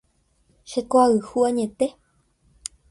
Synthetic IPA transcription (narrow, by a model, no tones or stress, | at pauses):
ʃekoaɨhuaɲẽt̪e